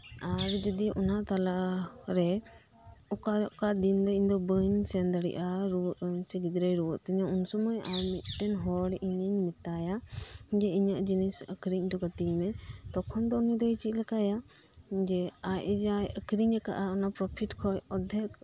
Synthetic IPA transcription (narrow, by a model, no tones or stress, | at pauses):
aɾd͡ʒɔd̪iʔɔnaʔt̪alaʔ | ɾɛ | ɔkakad̪ind̪ɔiɲd̪ɔbəɲsɛnd̪aɽḭʔaɾuʔɲsɛɡid̪ɾəjɾɔwɔʔt̪ɛɲaunsɔmɔjawmiʔ̪̚ʈɛnɦɔɽʔiɲəɲmit̪ajad͡ʒɛiɲəʔd͡ʒinisəkɾiɲd̪ɔɡət̪imɛt̪ɔkʰɔnd̪ɔːnid̪ɔit͡ʃiʔ̚lakaja | d͡ʒɛajɛd͡ʒajəkɾiɲɾɛka̰ʔaɔnapɾɔpʰiʈkʰɔjɔd̪ʱɛk̚